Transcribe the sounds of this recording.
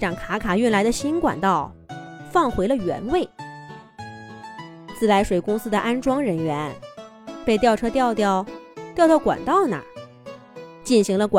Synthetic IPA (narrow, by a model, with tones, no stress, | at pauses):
ʈ͡ʂɑ˨˩ŋkʰa˧˥kʰa˨˩y˥˩nla˧˥ɪd̪ə˧ɕi˥nkwa̰˨˩nt̪ɑ˥˩ʊfɑ˥˩ŋxwe˧˥ɪlə˧ɥɛ̰˧˥nwe˥˩ɪ | t͡sɹ̩˥˩la˧˥ɪʂwe˨˩ɪkʊ˥ŋsɹ̩˥d̪ə˨ʔa˥nʈ͡ʂwɑ˥ŋɻə˧˥nɥɛ˧˥n | pe˥˧ɪt̪jɑ˥˩ʊʈ͡ʂʰɤ˥t̪jɑ˥˧ʊt̪jɑ˥˩ʊt̪jʊt̪jɑ˥˩ʊkwa̰˨˩nt̪ɑ˥˩ʊna̰˨˩ | t͡ɕi˥˩nɕi˧˥ŋlə˧kwa˨